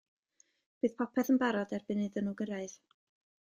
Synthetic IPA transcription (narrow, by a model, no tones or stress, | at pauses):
b̥ɨːð̥pʰɔpʰɛθənbaɾɔdɛrbɨnɨðənuːɡəɾaɨð